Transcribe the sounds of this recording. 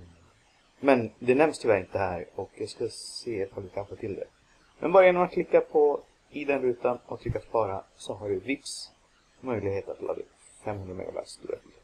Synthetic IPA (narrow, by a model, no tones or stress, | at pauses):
mɛnd̪ɛnɛmst̪ʰɪvɛɪnt̪əhæːɾɔkjɑɡskaseːɛt̪fɔlk̪ɪkʰanfoːʈ̪ʰɪld̪ɛ̰ | mʔɛ̰nbɑːɾajɛnːɔmat̪̚kʰlɪkːapʰɔ | ɪd̪ɛnɾʉ̟ːt̪anʔɔkt̪ʰʏkːat̪spɑːɾa̰sɔɦaɖɵvɪfs | mœjlɪɡɦeːt̪at̪lɑ̰ːɡ̪ɪ̰ | fɛmːhɵnd̪ɾamɛ̰ɡa̰væ̰sst̪ṵːɾa̰t̪ʰiːd̪